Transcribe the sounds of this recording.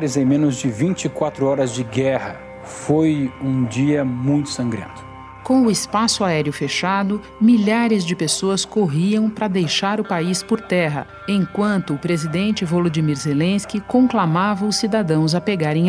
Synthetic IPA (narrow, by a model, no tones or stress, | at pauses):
ɾɪzẽj̃mẽnʊzd͡ʒɪvĩnt͡ʃikwat̪ɾʊɔɾɐzd͡ʒɪɡɛhɐ | fojũd͡ʒiɐmũj̃t̪ʊ̥sɐ̃ŋɡɾḛ̃nt̪ʊ̥ | kõw̃ʊɪspasʊaɛɾjʊfeʃad̪ʊ | miʎaɾɪzd͡ʒɪpesoɐskoɦiɐ̃w̃pɾɐd̪ejʃaɾʊpaispoɾt̪ɛɦɐ̰ | ẽj̃kwɐ̃nt̪ʊːpɾezid̪ẽnt͡ʃɪvolod͡ʒimiɾzelẽskɪkõklamavɐʊsːid̪ad̪ɐ̃w̃zɐpeɡaɾẽj̃